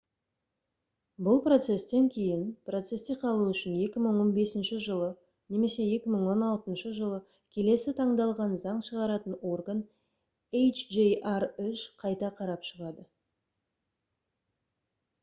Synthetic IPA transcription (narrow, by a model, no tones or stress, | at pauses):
bʊlˠpro̞t̪se̞st̪e̞ŋkʲʰe̞jɪnpro̞t̪se̞st̪eqʰɑlˠuʏʃɪne̞kʲɪməɴwo̞nbe̞sɪnʃɪʒəlˠə | ne̞me̞se̞e̞kʲɪməɴwo̞nɑlˠt̪ənʃəʒəlˠə | kʲʰe̞le̞sɪt̪ʰɑɴd̪ɑlˠʁɑnzɑɴʃəʁɑɾɑt̪əno̞rɡən | ejt͡ʃʒejʔarʏʃqʰɑjt̪ɑqʰɑɾɑpʃəʁɑd̪ə